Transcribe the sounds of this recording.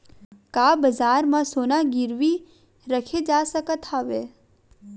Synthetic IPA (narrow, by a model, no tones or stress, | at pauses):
kaːbəzaːɾmãsoːnaɡɪɾʋi | ɾəkʰed͡ʒaːsəkət̪ʰaːʋeː